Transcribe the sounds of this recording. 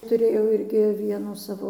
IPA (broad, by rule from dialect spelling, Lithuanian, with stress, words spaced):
tʊˈrʲeːjɛʊ ˈɪrʲɡʲɪ ˈʋʲiɛnuː ˈsɑːʋoː